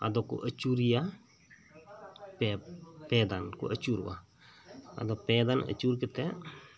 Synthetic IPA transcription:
a̰d̪ɔkʊ̰ʔət͡ʃuɾija | pɛpɛːd̪ankʊ̰ʔət͡ʃuɾwa̰ | ɐ̰d̪ɔpɛːd̪anə̰t͡ʃuɾkɪt̪ɛ

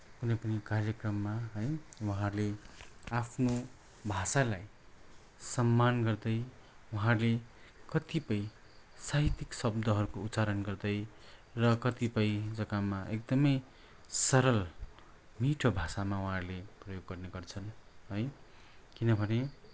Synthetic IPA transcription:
kunʌjpʌnikarjʌkrʌmːaɦʌjwuɦãrleapʰno | bʱasalaj | sʌmːanɡʌrd̪ʌj | wuɦãrlekʌt̪ipʌj | saɦit̪iksʌb̚d̪ʌɦʌɾukout̪t͡saɾʌnɡʌrd̪ʌjrʌkʌt̪ipʌjd͡zʌkamaʔek̚d̪ʌmʌj | sʌɾʌl | miʈʰobʱasamawuɦãrleprʌjoɡːʌrneɡʌrt͡sʰʌnɦʌj | kinʌbʱʌne

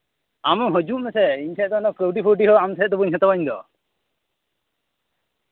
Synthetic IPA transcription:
amɔɦɔd͡ʒuʔmɛsɛiɲsʰɛʔd̪ɔnɔkəwʈipʰəwʈiɦɔamsʰɛɛd̪ɔbuɲɦɛt̪abaɲd̪ɔ̰

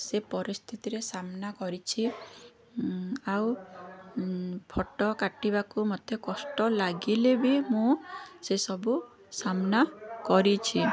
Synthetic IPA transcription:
sepɔɾist̪ʰit̪iɾesamnakɔɾit͡ʃʰi | aw | pʰɔʈɔkaʈibakumɔt̪ʰekɔsʈɔlaɡilebimũsesɔbu | samnakɔɾit͡ʃʰi

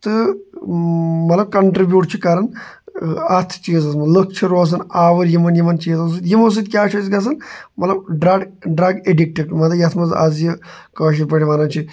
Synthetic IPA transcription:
t̪ɨ | mɐt̪lɐb̚kɐɳʈɾibjuːʈ̚t͡ʃʰikaːɾɐn | ɐt̪ʰt͡ʃiːzɐsmɐlɨkʰt͡ʃʰiɾoːs̬ɐnaːʋɐɾjimɐnjimɐnt͡ʃiːzɐs̬ɨd̪jimɐs̬ɨd̪kʲjaːt͡ʃʰusɡɐs̬ɐnmɐt̪lɐbɖɾɐɡɖɾɐɡeɖik̚ʈeʈmɐt̪ɐbjɐt̪ʰmɐza̰zjikɐːʃ̬ipɐɽiʋaːnɐnt͡ʃʰi

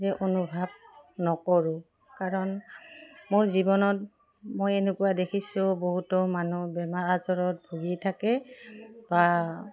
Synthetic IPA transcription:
zɛʔonubʱab̚nɔkɔɹʊ | kaɹɔn | moɹzibɔnɔt̚ | mojenekʊwadekʰisʊboɦutɔmanubɛmaɹazɔɹɔt̚bʱuɡitʰakɛ | ba

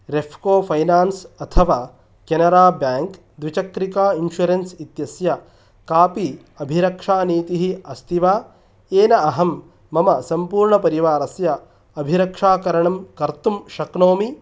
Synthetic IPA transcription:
ɾefʰkoːpʰɐjnaːnsɐt̪ʰɐʋaː | kenɐɾaːbjaːŋk | d̪ʋit͡ʃɐkɾikaːinʃuɾensit̪jɐsjɐ | kaːpi | ɐbʱiɾɐkʂaːniːt̪iɦiɐst̪ʰiʋaː | eːnɐɐɦɐmː | ɐmɐsɐmpuːɾɳɐpɐɾiʋaːɾɐsjɐ | ɐbʱiɾɐkʂaːkɐɾɐɳɐmkɐɾt̪umʃɐknoːmi

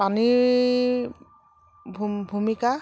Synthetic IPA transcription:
pani | bʱbʱumika

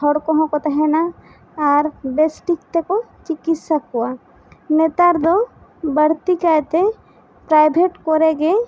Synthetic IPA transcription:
hʰɔɽkoɦõkot̪ɐɦɛna | aɾbesʈikt̪eko | t͡ʃɪkisakua | met̪aɾd̪o | bəɽt̪ikat̪e | pɾaːjbʱeʈkoɾeɡe

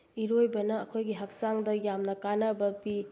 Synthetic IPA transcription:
iɾojbɐnɐːkʰojɡiɦak̚t͡ʃaŋdɐjamnɐkanɐbɐpi

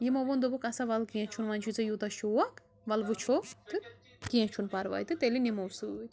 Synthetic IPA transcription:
jimoʋond̪obukɐsɐʋɐlkẽːt͡ʃʰunʋɐnt͡ʃʰut͡sɐjut̪ɐʃuwɐk | ʋɐlʋɨt͡ʃʰot̪ɨ | kẽt͡ʃʰunpɐɾʋa̰jt̪ɨt̪elinimowsɨjt̪

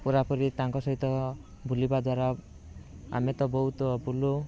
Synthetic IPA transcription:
puɾapɔɾit̪aŋkɔsɔɦit̪ɔ | bʱulibad̪waɾa | a̰met̪ɔbɔɦut̪bʱulu

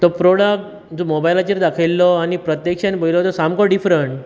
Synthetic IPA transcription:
t̪ɔpɾoɽak̚ʈ | d͡zɔmobajlat͡ɕeɾd̪akʰajlːɔañipɾət̪jekʂanibʱojlɔt̪ɔsamkɔɖifɾəɳʈ

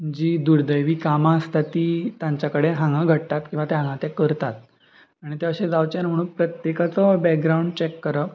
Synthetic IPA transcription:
məd͡ʑiːd̪uɾd̪əjʋiːkamast̪at̪ːiːt̪jãɲt͡ɕjakəɽeɦãŋɡaɡʱəʈt̪at̪kĩw̃ʋat̪eɦãŋɡãt̪ekəɾt̪at̪̚ | aɽ̃it̪eəɕẽd͡zawt͡ɕeɾm̤əɽ̃uːnpɾət̪jekat͡sɔbɛk̚ɡɾauɳɖ̚t͡ɕekːəɾə

